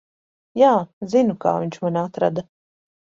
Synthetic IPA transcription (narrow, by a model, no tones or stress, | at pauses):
jaːzinuka̰ːviɲʲt͡ʃmanʲat̪ɾa̰d̪a